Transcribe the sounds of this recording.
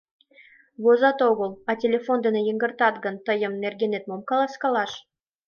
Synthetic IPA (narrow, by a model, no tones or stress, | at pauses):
βozɑt̪oɣə̆lˠɑtʲelʲefond̪ə̆nejə̆ŋɡə̆rt̪ɑt̪ɡə̆nt̪əjə̆mnerɡʲenet̪̚momkɑlˠɑskɑlɑʃ